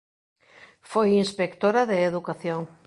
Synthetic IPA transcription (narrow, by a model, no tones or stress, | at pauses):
fojinspekt̪oɾɐðɪːðukaθjoŋ